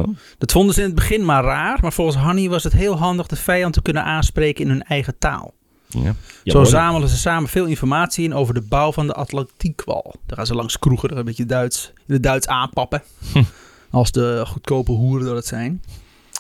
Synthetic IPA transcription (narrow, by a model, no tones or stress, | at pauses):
d̥ɔtfondəzəɪnəd̚bəχɪnmaraːrmarfolˠxənsɦɔniʋɔsətɦɪːlˠɦɑndəxdəfɛjɑntə̥kønənʔaːnspreːkəɪnhɵnɛjɣəta̰ːlˠ | oːzaːməlˠəzəsaːməfɪːlˠinfɔrmaːtsiənoːwvərdəbawvɔndəʔatlantikʰʋɔ̰lˠd̥ɔxaːnzəlˠɑŋskruɣədɔbɪtədœɥs | dədœɥtsaːnpɑpə | ʔɔlˠsdəχut̚kʰoːpəɦuərədɔdətsɛjn